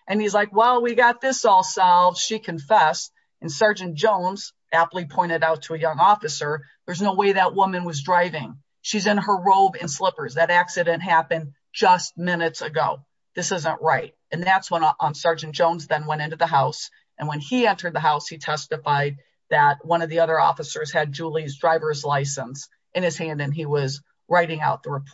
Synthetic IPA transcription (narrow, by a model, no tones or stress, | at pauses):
ʔɨ̃nizlaɪkwɛlˠwiɡɑt̪̚ðɪsɔlˠsɛlˠvz̥ʃikʰɨ̃ɱfɛst̚ | ɨ̃nsɑɹd͡ʒɨ̃n̩d̥ʒ̥õʊ̃nz̥ | ʔæplˠipʰɔ̃ɪ̃ɾ̃ɨɾaʊtʰəɨjʌ̃ŋɔfɨsə˞ | ðə˞znoʊweɪðəʔ̚wʊmɨ̃nwʌzdɹaɪvɪ̃ŋ | ʃizɨ̃nə˞ɹoʊbɨ̃nslɪpə˞zðɨɾæksɨɾɨ̃nʔɦæpɨ̃n | d͡ʒʌst̚mɪ̃nɨtsɨɡoʊ | ðɪsɪzə̃nʔɹaɪt̚ɨ̃nðætswə̃nsɑɹd͡ʒɨ̃n̩d̥ʒ̥õʊ̃nzðɨ̃nwɛ̃ɾ̃ɪ̃ntʉðəɦaʊs | ɨ̃nwɨ̃niɛ̃ntʰə˞d̪̚ðəɦaʊshitʰɛstɨfaɪd̪̚ | ðɨt̚wʌ̃ñʌvðiʌðə˞ɔ̰fɨsə˞z̥ɨd̚d͡ʒulˠizdɹaɪvə˞zlaɪsə̃ns | ʔɨ̃nɨz̥hæ̃ndɨ̃niwʌz | ɹaɪɾɪ̃ŋa̰ʊt̪̚ðəɹɨpʰ